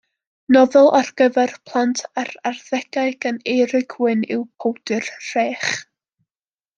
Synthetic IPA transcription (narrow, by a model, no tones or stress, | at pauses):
nɔvɛlˠʔarɡ̥əvɛrpʰlˠantʰaɾarðɛɡaɨɡ̥ənejɾɪɡwɨnɪwpʰowdɨrr̥eːχ